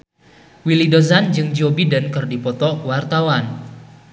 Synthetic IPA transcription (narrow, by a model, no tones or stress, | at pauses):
wilidozand͡ʒɨŋd͡ʒobidənkɨrdipɔt̪ɔwart̪awan